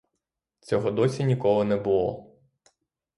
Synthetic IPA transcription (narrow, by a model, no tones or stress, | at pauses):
t͡sʲɔɦɔd̪ɔsʲinʲikɔlˠɔnɛbʊlˠɔ̰